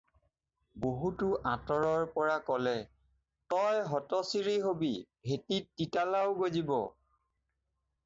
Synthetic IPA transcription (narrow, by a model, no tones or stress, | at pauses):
boɦutʊʔãtɔɹɔɹpɔɹakɔlɛ | tɔjɦɔtɔsiɹiɦobibʱetitːitalawɡozibɔ̰